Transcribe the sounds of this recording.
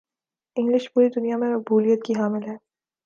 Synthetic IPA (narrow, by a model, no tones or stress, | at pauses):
ɪ̃ŋɡlɪʃpuːɾid̪ʊnijamẽmɐk̚buːlijət̪kiɦaːmɪlɦɛː